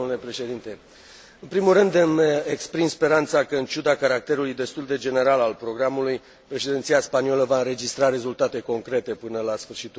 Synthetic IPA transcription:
ule̞pɾe̞ʃe̞d̪int̪e̞ | ɨnpɾimulrɨnd̪ɨmekspɾimspe̞ɾant̪sakəɨnt͡ʃud̪akaɾak̚t̪e̞ɾulujd̪e̞st̪uld̪e̞d͡ʒe̞ne̞ɾalalpɾo̞ɡɾamuluj | pɾe̞ʃed̪ent̪sijaspanioləvaɨnɾe̞d͡ʒist̪ɾaɾe̞zult̪at̪e̞ko̞ŋkɾe̞t̪e̞pɨnəlasfɨrʃit̪

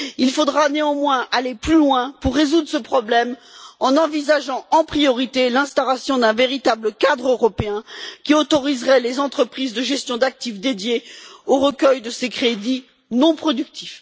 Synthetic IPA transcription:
ilfod̪ʁaneɑ̃mwɛ̃ʔaleplylwɛ̃puʁːezud̪ʁəsəpχɔblɛmɑ̃nɑ̃vizaʒɑ̃ɑ̃pχijɔʁit̪elɛ̃st̪alasjɔ̃d̪ɛ̃veʁit̪abləkad̪ʁøʁɔpeɛ̃kʲiot̪ɔʁizʁɛlezɑ̃t̪χəpχizd̪əʒɛst̪jɔ̃d̪ak̚t̪ifd̪ed̪jeoʁəkʲœjd̪əsekχed̪i | nɔ̃pχɔd̪yk̚t̪ʰi̥f

